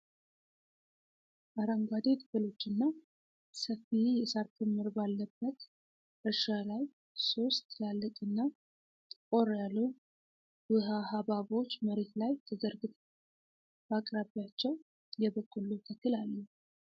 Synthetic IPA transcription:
ʔaɾaŋɡʷwad̪et̪ʼɨkɨlo̞t͡ʃːɨnːa | səfijɛsaɾt̪ʰɨmɨɾbalːəbːət̪ | ʔɨʃalaj | so̞st̪ʰlalːɨt̪ʼɨnːa | kʼoɾjalːu | bɨɦaɦaβaβo̞t͡ʃːməɾe̞t̪lajt̪ʰəzəɾɡɨt̪ʼ | bakʼɾaβijat͡ʃːɛw | jɛβəkʼːuluk̪ʰəkːɨlalːu

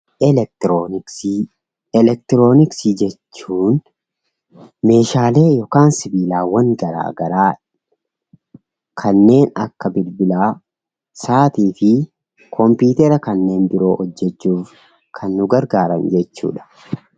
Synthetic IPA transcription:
ɛɛk̚t̪ɾoɪks | ɛlɛk̚t̪ɪɾo̞ːnɪksid͡ʒɛt͡ʃːuːn | me̞ːʃaːle̞ːjɔkaːnsɪbiːlaːwɐŋɡɐɾa̰ːɡɐɾaː | kʰɐnːe̞ːnɐ̰kːɐbɪlbɪlaː | saːt̪iːfɪ | kʰɔmpiːt̪ɛɾɐkɐnːe̞ːnbɪɾo̞ːhɔd͡ʒːɛt͡ʃːuːf | kʰɐnːʊɡɐɾɡaːɾɐnd͡ʒɛt͡ʃːṵːᶑɐ̥

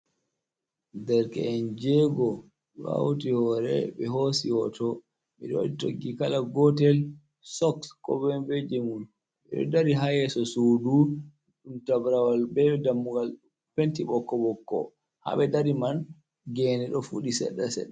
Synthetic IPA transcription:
dɛɾkɛ̰ɛnd͡ʒɛɡɔ | ɗɔ̰a̰wtihɔɾɛ̰ɓɛɦosiwɔtɔ | miɗɔwaɗitoɡːikalaɡɔtɛl | sɔkskɔ̰bɛnved͡ʒemun | ɓɛ̰ɗɔ̰daɾiɦajɛsɔsudu | ɗumtabɾawalbɛdamːuɡal | pentiɓɔkːɔɓɔkːɔ̰ | ha̰ɓɛdaɾiman | ɡɛnɛɗɔfuɗisɛ̰ɗːasɛ̰ɗɛ

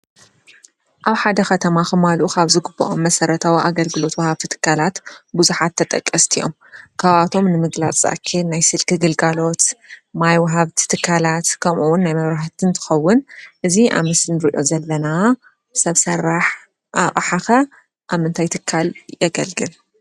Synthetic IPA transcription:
ʔaβħad̪ɐxɐt̪ʰɐmaxɨmalʔukʰaβzɨɡɨbːɐʔomːɐsɐɾɐt̪ʰawiʔaɡɐlɡɨlo̞t̪wɐhaβt̪ʰit̪ʰɨ̥kʰːalat̪buzuħat̪ʰːɐt̪ʼɐkʼːɐst̪ʰijo̞̰m | kʰaβat̪ʰo̞mnɨmɨɡlat͡sʼa̰kʰːenajsɨlkɨɡɨlɡalo̞t̪majwɐɦaβt̪ʰi̥t̪ʰɨkʰːalat̪kʰɐmʔuwʊnːajmɐβɾaħt̪ʰɨnt̪ʰɨ̥xɐwːʊnʔɨziʔa̰mɐsɨnɨɾiʔo̞zɐlːɐna | bsɐβsɐrːaħ | ʔa̰χʼħaxɐ | ʔaβmɨnt̪ʰajt̪ʰɨkʰːaljɛɡɐlɡɨl

